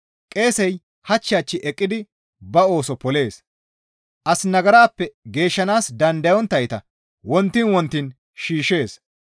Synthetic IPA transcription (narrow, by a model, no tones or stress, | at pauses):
kʼe̞ːsɛj | hɐt͡ʃːɪjaːt͡ʃːɪʔɛkʼːɪd̪ɪ | bɐo̞ːsɔpɔle̞ːs | ʔɐsnɐɡɐɾaːpːɛɡe̞ːʃːɐnaːsd̪ɐnd̪ɐjɔnt̪ːɐjt̪ɐ | wɔnt̪ːɪnwɔnt̪ːin | ʃiːʃe̞ːs